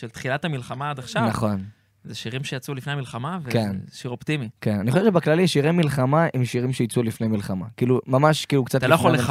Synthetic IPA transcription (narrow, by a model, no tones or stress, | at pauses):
ʃelt̪χilat̪hamilχamaad̪aχʃanvnaχo̞n | zeʃiʁimʃejat͡sulifne̞jamilχamavekenʃiʁo̞pt̪imikenanixoʃevt͡ʃ̬ebeklalimʃiʁemilχamaʔemʃiʁimʃejit͡sulifne̞jmilχamakiːlumamaʃkiːlukt͡sat̪aloaole